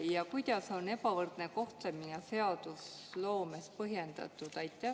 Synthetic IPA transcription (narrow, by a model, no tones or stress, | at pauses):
jɑkujd̪̥ɑso̞ne̞bɑvɤrd̪̥neko̞ht̪le̞minese̞ɑd̪̥uslo̞ːmespɤɦje̞nd̪̥ɑ̰t̪ːˑud̪̥ɑjt̪ːˑæ